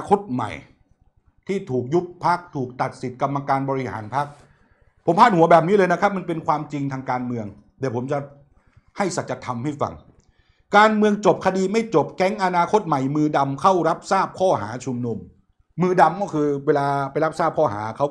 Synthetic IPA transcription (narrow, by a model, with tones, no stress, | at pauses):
kʰo˦˥t̪̚ma̰˨˩j | t̪ʰiː˥˩t̪ʰuː˨˩k̚ju˦˥ppʰa˦˥k̚t̪ʰuː˨˩k̚t̪a˨˩t̪̚si˨˩t̪̚ka˧mːa˧kaː˧nbɔː˧ɾi˦˥ha̰ː˩˦npʰa˦˥k̚ | pʰo˩˦mʰaː˥˩t̪hu˨˦ɐbɛː˨˩p̚niː˦˥lɤː˧jna˦˥kʰa˦˥p̚ma˧npe˧nkʰwaː˧mt͡ɕi˧ŋt̪ʰaː˧ŋkaː˧nmɯ˧əŋ | dɛː˨˩pʰo˩˦mt͡ɕa˨˩ | ha˥˩jsa˨˩t̪̚t͡ɕa˧˩t̪ʰa˧mha˥˩jfa̰˧ŋ | kaː˧nmɯ˧əŋt͡ɕo˨˩p̚kʰa˧diː˧ma˥˩jt͡ɕo˨˩p̚kɛ˧˦˥ŋʔa˧naː˧kʰo˦˥t̪̚ma˨˩jmɯː˧da˧mkʰa˥˩wɾa˦˥p̚saː˥˩p̚kʰɔː˥˩ɦa̰ː˩˦t͡ɕʰu˧mnu˧mː | ɯː˧da˧mkɔː˥˩kʰɯː˧weː˧laː˧pa˧jla˦˥p̚saː˥˩p̚kʰɔː˥˩ɦa̰ː˩˦kʰa˦˥w